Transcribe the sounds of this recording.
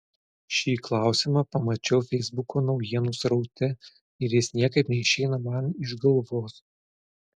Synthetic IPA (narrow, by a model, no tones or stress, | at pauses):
ʃʲiːklˠɑˑʊsʲɪmɐpɐmɐt͡ʃʲɛʊfʲɛɪzbʊkʰoːnɒʊjiɛnʊsɾɐʊt̪ʲɛ | ɪɾʲjɪsnʲiɛkɐɪpnʲɛɪʃʲɛɪnɐmɐnɪʒɡɐlˠʋoːs